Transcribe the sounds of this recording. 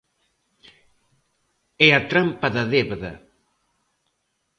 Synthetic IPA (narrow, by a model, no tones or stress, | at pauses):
ɛɐt̪ɾampɐðɐðeβðɐ̰